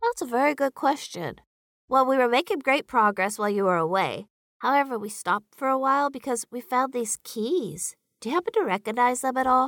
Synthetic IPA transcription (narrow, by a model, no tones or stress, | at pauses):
ðætsəvɛɹiɡʊd̚kʰw̥ɛst͡ʃɨ̰̃n | wɛlˠwiwə˞meɪkɪ̃ŋɡɹeɪt̚pʰɹ̥ɑɡɹɛswaɪlˠjɨwə˞əweɪ | haʊɛvə˞wistɑp̚tfə˞əwaɪlˠbɨkʰʌzwi̥fãʊ̃nðiz̥kʰiz̥ | d̥ɨjɨhæpn̩tɨɹɛkɨɡ̚naɪzðə̃mɨɾɔlˠ